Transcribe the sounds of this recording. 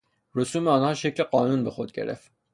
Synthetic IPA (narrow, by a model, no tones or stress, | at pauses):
ɾusumɛɑnhɑʃɛkʰlɛqɑnunbəχɔt̪̚kɛ̰ɾɛ̰v